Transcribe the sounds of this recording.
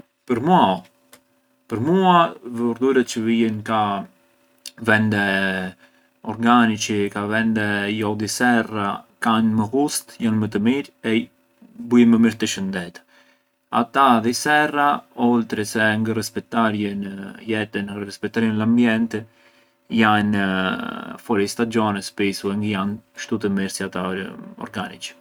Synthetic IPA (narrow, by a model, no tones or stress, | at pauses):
pəɾmua | pəɾmuavɾd̪uɾət̪t͡ʃəvijənka | vɛnd̪ɛ | ɔɾɡanit͡ʃəkavɛnd̪ɛjɔðisɛrakanməɣust̪janmət̪̬əmiɾɛ | bujɛməmiɾt̪əʃənd̪ɛt̪ | a̰t̪aðisɛraɔlt̪ɾɛsɛŋɡərɛspɛt̪aɾjənjɛt̪ənrɛspɛt̪aɾjənlambjɛnt̪ɛ | jan | fɔɾist̪ad͡ʒɔnɛspisuɛŋɡəjanʃt̪ut̪əmiɾsiat̪aɔ̰ɾɡanḭt͡ʃ